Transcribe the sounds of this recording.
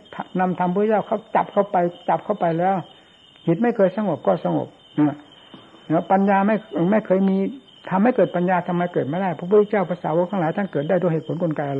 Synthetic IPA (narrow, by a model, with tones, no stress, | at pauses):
t̪ʰna˧mt̪ʰa˧mpʰːu˧˥˦t͡ɕaː˥˩wkʰa˧˥˩wt͡ɕa˨˩p̚kʰa˥˩wpa˧jt͡ɕa˨˩p̚kʰa˥˩wpa˧jlɛː˦˥w | kʰi˨˩t̪̚ma˥˩jkʰɤː˧jsa˧ŋo˨˩p̚kɔː˥˩sa˧ŋo̰˨˩p̚ | ʔa˧˩ | a˧˦˥pa˧njaː˧ma˥˩jma˥˩jkʰɤː˧jmiː˧ | t̪ʰa˧mha˥˩jkɤː˨˩t̪̚pa˧njaː˧t̪ʰa˧mːa˧˩jkɤː˨˩t̪̚ma˥˩da˥˩pʰa˧˥˩pʰu˧˥t̪ʰːe˧˩t͡ɕaː˥˩wpʰa˧saː˨˦wo˧˥k̚t̪ʰaː˧ŋlaː˨˦jt̪ʰa˥˩nkɤː˨˩t̪̚daː˥˩jt̪u˧ɦeː˨˩t̪̚pʰo˨˦nkʰo˧nkaː˧jʔa˧